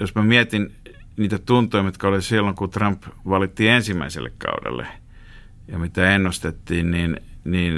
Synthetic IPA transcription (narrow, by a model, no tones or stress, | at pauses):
josmæmiæt̪in | niːt̪æt̪unt̪ˑoimit̪kɑolisilːoŋkut̪rɑmpʋɑlit̪ːiensimːæisḛlːḛkkɑ̰udḛlːḛ | jɑmit̪æenːust̪et̪ːiːnninniːn